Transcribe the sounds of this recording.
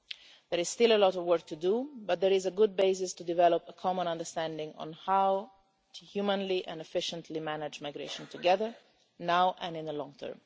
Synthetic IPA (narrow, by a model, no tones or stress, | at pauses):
d̪ɛɾɪz̥st̪ɪləlɔtɔvwɜɹk̚t̪ʰud̪ubat̪̚d̪ɛɾɪzəɡʊd̪̚beɪs̬ɪst̪ud̪ivɛlɔpəkʰɔmə̃nãnd̪əst̪æ̃ndɪ̃ŋɔ̰̃nhaw | tʰuhjumə̃nliʔɛ̃nɛfɪʃə̃nt̪ʰlimænad͡ʒmajɡɾḛɪʃɔ̃nt̪uɡɛðəɹ | nawʔɛ̃nɪ̃nðəlɔ̃ŋɡt̪ʰɜ̰ɹm